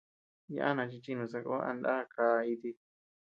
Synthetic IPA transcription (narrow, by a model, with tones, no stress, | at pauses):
ja̰˦ʔa˦nã˧t͡ʃi˧t͡ʃi˧nũ˨s̬a˧ko˦ã̰˧nd̪a̰˦˧kʰaː˧˦˧i˧t̪i˧